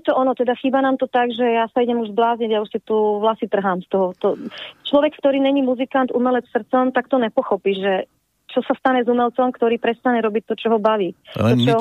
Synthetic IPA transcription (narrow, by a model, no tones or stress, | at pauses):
nɛt̪ɔɔnɔt̪ɛd̪axiːbanaːmt̪ɔt̪aɡʒɛjasaiɟɛmuʒzblaːzɲɛɟjausɛt̪uʋlasit̪r̩ɦaːmst̪ɔɦɔt̪ɔt͡ʃlɔʋɛkkt̪ɔɾiːɲɛɲimuzikant̪umɛlɛt͡ssr̩t͡sɔmt̪akt̪ɔɲɛpɔxɔpiːʒʒɛ | t͡ʃɔsast̪aɲɛzumɛlt͡sɔmkt̪ɔɾiːpɾɛst̪aɲɛɾɔbic̚t̪ɔt͡ʃɔɦɔbaʋiːt̪ɔt͡ʃɔ